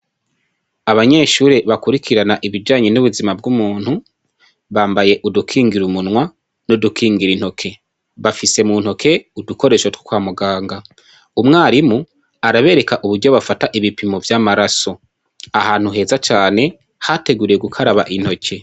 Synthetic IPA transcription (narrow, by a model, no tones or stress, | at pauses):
aβaɲe̞ʃuːɾeβakuɾikʰiɾanaʔiβid͡ʒaːɲe̞nuβuzimabɡumuːn̥hu | βaːmbaje̞ʔudukʰiːŋɡiɾumunŋwa | nodukʰiːŋɡiɾinho̞kʰe̞ | βafise̞munho̞kʰe̞uduko̞ɾe̞ːʃotwu̥kwaːmuɡaːŋɡa | umŋaːɾimu | aɾaβe̞ːɾe̞kaʔuβuɾɟo̞βafataʔiβipimovjaːmaɾaso̞ | ahaːn̥huɦe̞ːzat͡ʃaːne̞ | hate̞ɡuɾije̞ɡukʰaɾaβa̰ʔin̥ho̞cʰe̞